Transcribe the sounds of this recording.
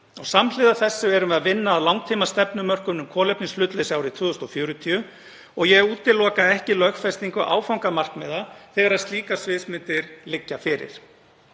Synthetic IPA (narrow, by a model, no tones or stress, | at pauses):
ɔɣsamlɪːðaθɛsːʏɛɾʏmvɛðavɪnːaːðlawŋkt̪ʰiːmast̪ɛpnʏmœr̥kʏmnʏmkʰɔːlɛpniŋslʏt̪lɪsaːwɾɪt̪ʰvʏːðʏst̪ɔfjœːɾʏt̪ʰiʏ | ɔɣjɛuːt̪ːɪlːɔːkaɛhcɪlœxfɛst̪iŋkʏʔa̰ːwfawŋkamar̥kmɛðaθɛɣaɾaðst̪liːkasvɪːsmɪnt̪ɪɾlɪcːafɪɾɪ̰ɾ̥